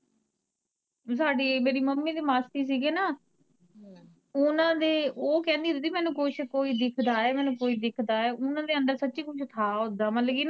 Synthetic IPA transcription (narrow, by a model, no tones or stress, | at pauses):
saːɖeːmeːɾiːməmːiːd̪eːmaːst̪iːs̬iːɡeːnaː | ʊnãːd̪eːʔoːkɛ̃ːnd̪iːɦod̪iːmɛ̃ːnũːkʊt͡ʃʰkoːiːd̪ɪkʰd̪aːɛːmɛ̃ːnũːkoːiːd̪ɪkʰd̪aːɛːʔʊnãːd̪eːə̃nd̪əɾsəːt͡ʃiːkʊt͡ʃʰt̪ʰaːɦoːd̪aːməlɡiːna